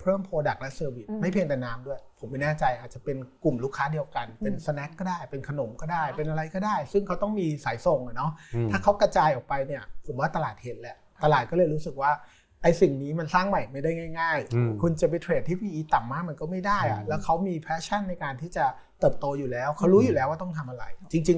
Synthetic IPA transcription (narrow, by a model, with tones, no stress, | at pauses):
pʰɾɤː˥˩mpʰoː˧da˨˩k̚lɛ˦˥sɤː˧wi˨˩t̪̚ma˥˩jpʰi˧ŋt̪ɛ˨˩naː˦˥mdu˥˩əjpʰo˩˦mːa˦˥˩jnɛː˥˩t͡ɕa˧jʔaː˨˩t̪̚t͡ɕa˨˩pe˧nku˨˩mluː˦˥˩kʰːaː˦˥di˧əwka˧npe˧nsa˧nɛ˦˥kːɔː˥˩daː˥˩jpe˧nkʰa˧no˩˦mkɔː˥˩daː˥˩jpe˧nʔa˧ɾa˧jkɔː˥˩daː˥˩jsɯ˥˩ŋkʰa˦˥wt̪ɔ˥˩ŋmiː˧saː˩˦jso˨˩ŋʔa˨˩nɔ˦˥ʔt̪ʰaː˥˩kʰa˦˥wkɾa˧t͡ɕaː˧jʔɔː˨˩k̚pa˧jni˥˩ɐpʰo˨˩˦mwaː˥˩t̪a˧laː˨˩t̪̚he˦˥t̪̚lɛ˦˥ | t̪a˧laː˨˩t̪̚kɔː˥˩lɤː˧jɾuː˦˥sɯ˨˩k̚waː˥˩ | ʔa˧jsi˨˩ŋniː˦˥ma˧nsaː˥˩ŋma˨˩jma˥˩jda˥˩jŋaː˥˩jŋaː˥˩jkʰu˧nt͡ɕa˨˩pa˧jt̪ʰɾeː˨˩t̪ʰːiː˥˩pʰiː˧ʔiː˧˩t̪a˨˩mːaː˧˥˩k̚ma˧nkɔː˥˩ma˥˩jdaː˥˩jʔa̰˨˩lɛː˦˥wkʰa˦˥wmiː˧pʰɛː˦˥t͡ɕʰa˥˩nːa˧jkaː˧nt̪ʰiː˥˩t͡ɕa˨˩ | t̪ɤː˨˩p̚t̪oː˧juː˨˩lɛː˦˥wkʰa˦˥wɾuː˦˥juː˨˩lɛː˦˥waː˥˩t̪̬ɔ˥˩ŋt̪ʰa˧mʔa˧ɾa̰˧jt͡ɕi˧ŋt͡ɕi˧ŋ